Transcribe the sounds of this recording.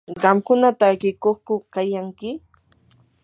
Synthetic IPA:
ɢɑmkʊnat̪aːkɪkoχkʊkajaŋkɪ

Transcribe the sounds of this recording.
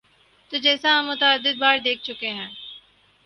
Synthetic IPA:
t̪oːd͡ʒɛːsãɦɐ̃mːʊt̪əəd̪ːɪd̪̚baːɾd̪eːk̚ʰt͡ʃʊkeɦɛ̃ː

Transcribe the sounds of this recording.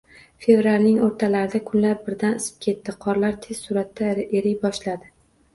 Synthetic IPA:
fe̞vɾalʲnɪŋoɾt̪ʰalaɾɪd̪akʰʊnlaɾbɪɾd̪anɪsɪ̥p̚kʲʰe̞t̪ːɪqʰɒɾlaɾt̪ʰez̥sʊɾat̪ːaeɾɪjbɒʃlad̪ɪ

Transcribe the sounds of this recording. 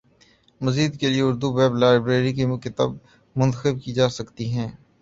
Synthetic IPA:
mɐziːd̪kelieʊɾd̪ubɛːblaːɪbɾeːɾik̬imkɪt̪a̰ːb̚ | mʊ̃nt̪əxɪb̚kid͡ʒaːsɐkt̪iɦɛ̃ː

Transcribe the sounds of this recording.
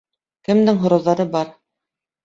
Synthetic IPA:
kɘ̆md̪ɘŋɦŏɾɤ̆wðɑɾɤbɑɾ

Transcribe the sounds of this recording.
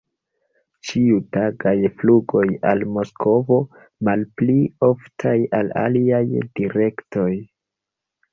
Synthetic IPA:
t͡ʃiutaɡajfluɡo̞jalmo̞skʰo̞vo̞ | malplio̞ftʰajala̰liajdiɾe̞kto̞j

